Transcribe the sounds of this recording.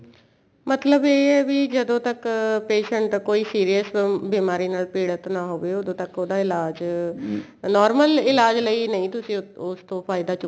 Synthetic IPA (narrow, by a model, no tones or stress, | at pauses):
mət̪ləbeːɛːʋid͡ʒəd̪õːt̪əkpeːʃəɳʈkoːiːsiːɾijəsbiːmaːɾiːnaːlpeːɽət̪naːɦoːʋeːod̪õːt̪əkoːd̪aːɪlaːd͡ʒ | nɔːɾməlɪlaːd͡ʒləiːnəĩːt̪ʊsĩːʊst̪õːpʰaːɪd̪aːt͡ʃ